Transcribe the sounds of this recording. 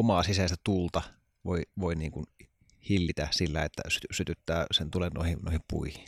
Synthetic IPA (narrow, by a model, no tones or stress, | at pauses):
omɑsisæst̪æt̪ult̪ɑ | ʋoˑiʋoˑiniːŋkun | hilːit̪æsilːæ̰et̪ːæ̰sysyt̪yt̪ːæːsent̪ulenno̰ˑihino̰ˑihippṵihi̥n